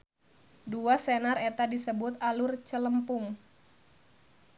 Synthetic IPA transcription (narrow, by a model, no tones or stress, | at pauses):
duasenaret̪adisəbʊt̪̚alʊrt͡ʃələmpʊŋ